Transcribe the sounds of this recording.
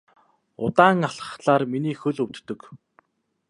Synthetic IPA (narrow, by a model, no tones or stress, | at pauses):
ʊ̰t̪aːŋaɬə̥̆χt̪ɮaːrminiːxɵɮɵwt̪ːɵ̆k